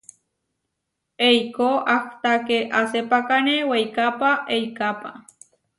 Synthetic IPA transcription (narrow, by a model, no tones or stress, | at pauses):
ejkoʔakt̪akeʔasepakanewejkapaʔejkapa̰